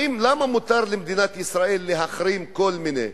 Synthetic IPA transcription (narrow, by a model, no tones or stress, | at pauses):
imlamamut̪aɾlemd̪inat̪isʁaʔelːeɦaχɾimko̞lminḛ